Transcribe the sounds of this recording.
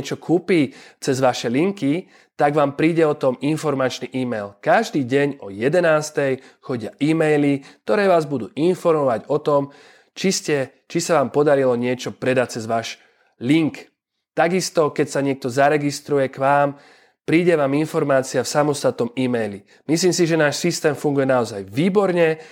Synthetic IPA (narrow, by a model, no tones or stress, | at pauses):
ɛt͡ʃɔkʰuːpiːt͡sɛzʋaʃɛliŋki | t̪aɡʋaːmpɾiːɟɛɔt̪ɔminfɔɾmat͡ʃniːʔiːmɛjlkaʒd̪iːɟɛɲɔjɛd̪ɛnaːst̪ɛjxɔɟɪaʔiːmɛjlik̚t̪ɔɾɛːʋaːzbud̪ṵːʔinfɔɾmɔʋaɟɔt̪ɔm | t͡ʃiscɛt͡ʃisaʋaːmpɔd̪aɾilɔɲɪɛt͡ʃɔpɾɛd̪ac̚t͡sɛzʋaːʃ | liŋk | t̪aɡist̪ɔkɛcsaɲɪɛk̚t̪ɔzaɾɛɡist̪ɾujɛkʋaːm | pɾiːɟɛʋaːminfɔɾmaːt͡siafsamɔst̪at̪̚nɔmiːmɛjli | misliːmsiʒɛnaːʃsist̪ɛːmfuŋɡujɛnaɔzajʋiːbɔɾɲɛ